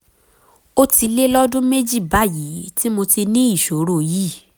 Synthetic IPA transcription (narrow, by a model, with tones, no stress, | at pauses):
o˦ti˧le˦lɔ˦dũ˦me˦d͡ʒi˦˨ba˦˨ji˨˦ti˦mo˧ti˧nĩ˦i˦˨ʃo˨˦ɾo˦˨ji˦˨